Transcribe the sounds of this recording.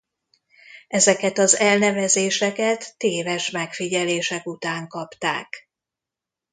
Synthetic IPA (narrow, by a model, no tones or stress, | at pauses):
ʔɛzɛkɛt̪ɒzɛlnɛvɛzeːʃɛkɛt̪ːeːvɛʃmɛkfiɟɛleːʃɛkut̪aːŋkɒpt̪a̰ːk